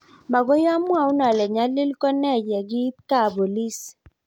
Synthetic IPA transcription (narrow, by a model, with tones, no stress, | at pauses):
ma˨ɡo˦ja˦mwa˦u˦na˨lɛ˨ɲa˦lɪ˦lkɔ˦nɛ˦d͡ʒa˨ɡɪ˦ka˦˨bo˨li˦s